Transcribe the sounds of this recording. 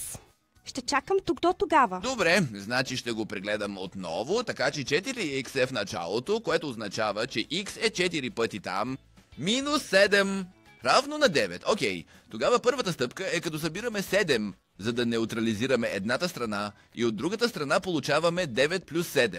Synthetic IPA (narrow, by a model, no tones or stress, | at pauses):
ʃt̪ɛt͡ʃakəmt̪uɡd̪ɔt̪oɡavəd̪obɾɛznat͡ʃiʃt̪ɛɡopɾɛɡlɛd̪ɐmo̰t̪nɔ̰vot̪ɐkat͡ʃɛt͡ʃɛt̪iɾiiksɛfnɐt͡ʃa̰lˠot̪okoɛt̪oːznɐt͡ʃavət͡ʃɛʔiksɛt͡ʃɛt̪iɾipɤt̪it̪a̰mː | inusːɛd̪ɛm | ɾavnonɐd̪ɛvɛ̰t̪okʲɛjt̪oɡavəpɤɾvət̪əst̪ɤpkəɛkɐt̪ɔsɐbiɾɐmɛsɛd̪ɛm | zɐd̪ɐnɛʊt̪ɾɐliziɾɐmɛʔɛd̪nat̪əst̪ɾɐna | ḭod̪̚ːɾuɡət̪əst̪ɾɐnapolˠut͡ʃavɐmɛd̪ɛvɛt̪̚plʲusːɛd̪ɛmm